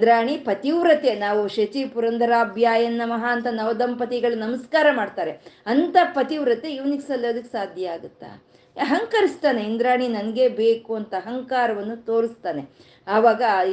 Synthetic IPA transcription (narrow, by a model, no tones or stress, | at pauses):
d̪ɾaːɳipɐt̪iʋɾɐt̪e̞naːʋuʃɐt͡ʃipuɾɐnd̪ʱɐɾaːbʱjaːjɐnːɐmɐɦaːnt̪ɐnɐʋɐd̪ɐmpɐt̪iɡɐɭunɐmɐskaːɾɐmaːɖt̪aːɾeɐnt̪ɐpɐt̪iʋɾɐt̪e̞iʋɐniksɐlːɐd̪ɐkːsaːd̪ʱjɐaːɡut̪ːa̰ | ɐɦɐŋkɐɾist̪aːneind̪ɾaːɳinɐnɐɡe̞beːkuɐnt̪ɐɦɐŋkaːɾɐʋɐnːut̪o̞ːɾist̪aːne̞ | aːʋaːɡɐ